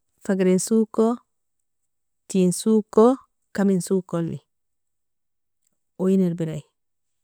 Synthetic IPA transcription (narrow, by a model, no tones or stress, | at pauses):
faɡɾinsuko | tinsuko | kaminsukolːḭ | ojiniɾbiɾaj